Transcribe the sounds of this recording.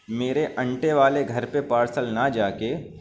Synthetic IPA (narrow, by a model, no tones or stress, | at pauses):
meːɾeʔɐ̃ɳʈeʋaːleɡʱɐɾpepaːɾsəlnad͡ʒaːke